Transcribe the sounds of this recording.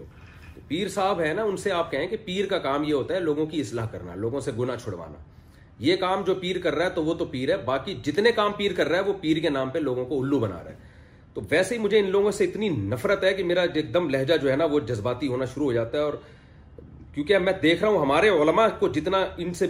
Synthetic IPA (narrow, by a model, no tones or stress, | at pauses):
t̪opiːɾsaːbɦɛnaʊnseaːp̚kɛɦẽkipiːɾkakaːmjeɦoːt̪aɦɛloːɡõkiɪslaːɦkɐ̰ɾna̰loːɡõseɡʊnat͡ʃʰʊɽʋa̰ːna̰ː | jeːkaːmd͡ʒoːpiːɾkɐɾːaɦɛt̪oʋot̪opiːɾɦɛbaːkid͡ʒɪt̪nekaːmpiːɾkɐɾːaɦɛʋopiːɾkenãːmpeloːɡõkoʊlːubɐna̰ːɾa̰ɦɛː | t̪oʋɛːseɦimʊd͡ʒʱeɪnloːɡõseɪt̪ninɐfɾət̪ɦɛkimeːɾaeːk̚d̪əmlɛɦd͡ʒad͡ʒoːɦɛnaʋod͡ʒɐzbaːt̪iɦoːnaʃʊɾuɦoːd͡ʒaːt̪aɦɛɔːɾ | kjõːkiɐmɛ̃ːd̪eːkʰɾɐɦũɦɐmaːɾeʊlmakod͡ʒɪt̪naɪnse